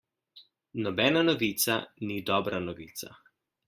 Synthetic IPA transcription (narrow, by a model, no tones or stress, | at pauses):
nɔbɛːnanɔʋiːt̪sanid̪ɔbɾanɔʋiːt̪sa̰